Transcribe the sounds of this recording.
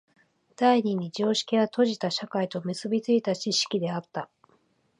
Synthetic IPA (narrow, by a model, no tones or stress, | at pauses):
d̪̥aiɲ̟iɲ̟id͡ʑoːɕi̥kʲiɡat̪o̞ʑit̪aɕakait̪o̞mɯ̟sɨbʲit͡sɨit̪at͡ɕiɕi̥kʲid̪e̞at̪ːa